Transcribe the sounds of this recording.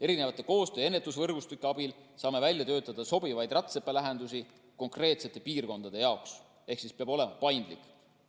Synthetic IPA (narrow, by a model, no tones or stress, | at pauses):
e̞ɾinevɑt̪ːˑeko̞ːst̪ø̞ːe̞nːet̪ːˑusvɤrɡ̥ust̪ykːˑeɑbilsɑːme̞vælʲjɑt̪ø̞ːt̪ːˑɑd̪̥ɑso̞bivɑjd̪̥rɑt̪sepːˑelæɦe̞nd̪usi | ko̞ŋkre̞ːt̪se̞t̪ːˑe̞piːrko̞nd̪̥ɑd̪̥e̞jɑoks | e̞hksispeɑbo̞le̞mɑpɑjnd̪̥lḭkːˑ